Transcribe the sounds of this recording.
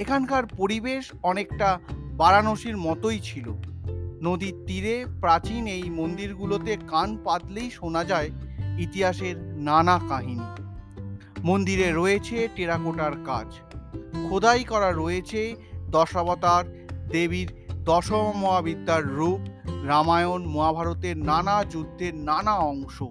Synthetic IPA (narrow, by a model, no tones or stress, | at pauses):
ekʰankaɾpoɾibeʃ | ɔnekʈabaɾanoʃiɾmɔt̪ojt͡ɕʰilonod̪it̪iɾepɾat͡ɕinejmond̪iɾɡulot̪ekanpad̪lejʃonad͡ʑaeit̪iɦaʃeɾnanakaɦini | mond̪iɾeɾoet͡ɕʰeʈeɾakoʈaɾkad͡ʑ | kʰod̪ajkɔɾaɾojet͡ɕʰed̪ɔʃabat̪aɾ | d̪eβiɾd̪ɔʃommoabid̪ːaɾːupɾamaeonmoabʱaɾot̪eɾnanad͡ʑud̪ʱːeɾnanaɔŋʃo